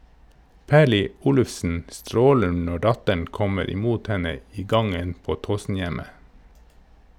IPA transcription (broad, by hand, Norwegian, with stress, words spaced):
ˈpæːɭɪ ˈuːlʉfsn̩ ˈstɾoːlən ˈnɔ ˈɖɑtəɳ ˈkɔməɾ ɪˈmuːt ˈhɛnə ˈiː ˈɡɑŋən ˈpoː ˈtoːsn̩ˌjæmə